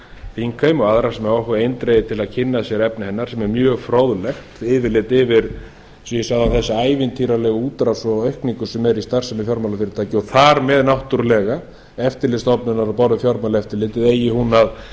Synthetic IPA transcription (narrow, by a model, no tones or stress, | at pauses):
fiŋkʰajmɔɣaðɾasɛmɛɾɔhkaejnt̪ɾeːjɪt̪ʰɪlaðcʰɪnːasjɛɾɛpnɪhɛnːaɾ̥sɛmɛɾmjœːɣfɾowðlɛxt̪ɪːvɪɾlɪt̪ɪvɪɾ̥ | sjɛsaɣðawθɛsːɪaːjvɪnt̪ʰiːɾalɛɣuːt̪ɾasɔœɥhkniŋkʏ̥sɛmɛɾist̪ar̥samɪfjɔɾmalafɪɾɪ̥ɾt̪ʰaːcɪɔθaɾmɛðnawht̪uɾlɛɣa | ɛft̪ɪɾlɪst̪ɔpnʏnaɾapɔɾðʏfjɔɾmalaɛft̪ɪɾlɪt̪ɪðeːjɪhunað